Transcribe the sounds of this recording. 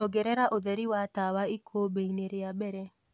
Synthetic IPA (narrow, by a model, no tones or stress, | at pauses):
oɡɛɾɛɾaʔoðɛɾiwatawaikʰobeineɾeabɛɾɛ